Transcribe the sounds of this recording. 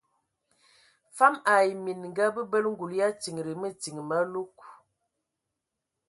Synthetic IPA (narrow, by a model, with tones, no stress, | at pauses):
fa˦ma˨jmi˨n˨ŋ̩˨ɡa˦bə˦bə˦lŋ̩˦ɡu˨lja˦ti˨ŋ˨ɾi˨mə˦ti˨ŋ˨ma˦lu˦k